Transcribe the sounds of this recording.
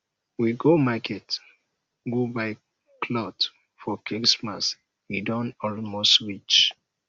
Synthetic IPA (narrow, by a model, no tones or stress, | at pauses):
wiɡomakʰɛt | ɡubaɪ | kʰlɔt | fɔkiksmas | widɔ̃nɔlmostwit͡ʃ